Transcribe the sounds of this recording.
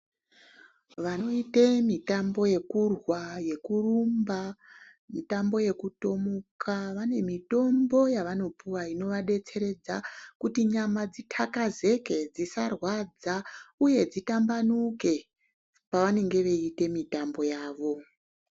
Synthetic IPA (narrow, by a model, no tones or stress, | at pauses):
ʋano̞itemitambo̞je̞kurwaje̞kurumba | mitambo̞je̞kuto̞mokʰaʋane̞mito̞mbo̞jaʋano̞puwaino̞ʋaɗe̞t͡se̞ɾe̞d͡zakutiɲamad͡zitʰakaze̞ke̞d͡zisarwad͡zauje̞d͡zitambanuke̞ | paʋane̞ŋɡe̞ʋe̞ite̞mitambo̞jaːʋo̞